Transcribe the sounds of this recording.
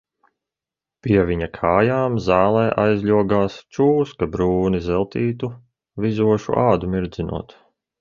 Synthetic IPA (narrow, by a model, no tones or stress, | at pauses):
pʲiɛvʲiɲakʰaːjaːmzaːlˠɛːʔajzʎʲuɔɡaːst͡ʃuːskabɾuːnizɛlˠt̪iːt̪u | vizuɔʃṵʔaːd̪umiɾd̪zinṵɔt̪